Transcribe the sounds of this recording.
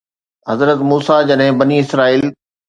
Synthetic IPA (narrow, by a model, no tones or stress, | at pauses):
ɦɐzɾət̪muːsad͡ʑɐɗɦɪ̃bɐniɪsɾaːiːl